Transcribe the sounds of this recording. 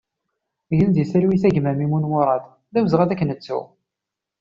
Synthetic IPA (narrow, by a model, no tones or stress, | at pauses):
ʝənd̪jəsəɾwiθæʝmæmimunwʊɾˤɑd̪ | ðæwzʁæðækːənət͡sːṵ